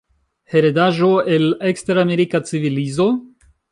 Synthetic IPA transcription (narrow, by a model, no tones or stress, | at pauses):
heɾedaʒoeleksteɾameɾikat͡sivilizo̞